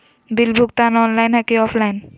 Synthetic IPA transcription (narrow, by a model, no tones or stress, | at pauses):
bilbʱuk̚t̪anɔnlajnɦakiɔpʰlajn